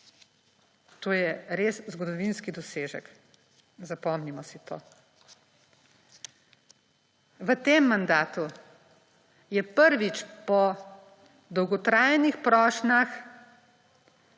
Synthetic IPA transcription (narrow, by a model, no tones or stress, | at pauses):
t̪oːjɛɾeːszɡɔd̪ɔʋinskid̪ɔseːʒə̰k | zapɔmnimɔsit̪o̰ː | ʋət̪eːmːand̪aːt̪u | jɛpəɾʋit͡ʃpɔ | d̪ɔwɡɔt̪ɾaːjɛnixpɾɔːʃnax